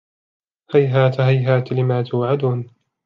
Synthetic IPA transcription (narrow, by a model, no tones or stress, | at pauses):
hajɦaːt̪ɦajɦaːt̪lɪmaːt̪ʰʊːʕad̪uːn